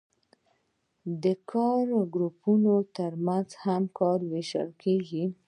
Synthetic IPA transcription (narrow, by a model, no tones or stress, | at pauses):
d̪əkʰɑɾɡɾupunot̪əɾmanzhamkɑɾweʃə̰lkʰeɡi